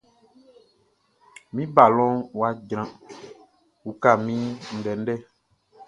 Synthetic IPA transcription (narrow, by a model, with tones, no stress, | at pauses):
mĩ˦ba˨lɔ̃˦wa˦ɟɾ̃ã˦ | u˨˦ka˦˨mĩ˦n̩˨dɛ˨n̩˦dɛ˦